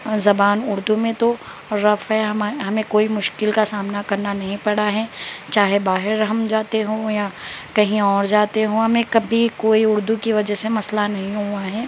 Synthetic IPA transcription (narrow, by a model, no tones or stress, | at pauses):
zɐbaːnʊɾd̪umẽt̪o | ɾɐfɦɛɦɐmaɦɐmẽkoːimʊʃkɪlkasaːmnakɐɾnanɐɦĩpɐɽaɦɛːt͡ʃaːɦebaːɦɪɾɐɦɐmd͡ʒaːt̪eɦõːjakɐɦĩɔːɾd͡ʒaːt̪eɦõɦɐmẽkɐbʱikoːiʊɾd̪ukiʋɐd͡ʒɛɦsemɐslanɐɦĩɦuaɦɛː